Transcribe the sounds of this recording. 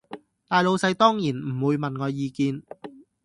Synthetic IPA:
t̪aː˨jlo˨˧wsɐ˨˧jt̪ɔː˥ŋjiː˨˩nm̩˨˩wuː˨˧jmɐ˨nŋɔː˨˧jːiː˨˧kiː˧n

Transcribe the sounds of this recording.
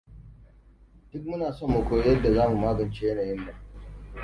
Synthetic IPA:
d̥ʊ˦k̚mʊ˦naː˨so˦˨mːo˨kʷoː˦jjɐ˦dːa˨zaː˦mu˨maː˦ɡɐ˨nt͡ʃeː˦jɐ˦naː˨jɪ˦nːa˨

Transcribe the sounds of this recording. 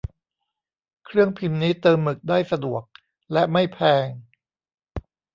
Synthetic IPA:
kʰɾɯ˥˩əŋpʰi˧mniː˦˥t̪ɤː˧mːɯ˨˩k̚daː˥˩jsa˧du˨˩ək̚ | lɛ˦˥ma˥˩jpʰɛː˧ŋ

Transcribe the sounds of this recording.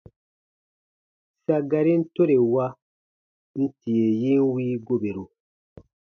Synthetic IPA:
sa˨ɡa˨ɾi˦n̩˦to˦ɾe˨wa˦ | n̩˦ti˨je˨ji˦ŋ˦wiː˦ɡo˦be˨ɾu˨

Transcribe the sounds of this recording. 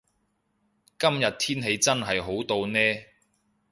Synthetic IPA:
kɐ˥mjɐ˨t̚t̪ʰiː˥nɦe˨˧jt͡sɐ˥nɦɐ˨jɦo˨˥wt̪o˧wnɛː˥

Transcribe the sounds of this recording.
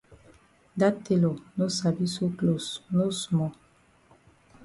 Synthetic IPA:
da˦te˨lo˨no˦sa˨bi˦so˦klo˨sno˦su˨mɔ˨

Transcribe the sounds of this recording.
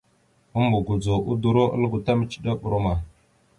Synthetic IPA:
u˦mbu˨ɡu˨d͡zu˨ʔu˦du˨ɾo˦ʔə̰˦lɡu˨ta˦mə˨t͡ʃi̥˨ɗa˦ɓu˨ɾo˦ma˨

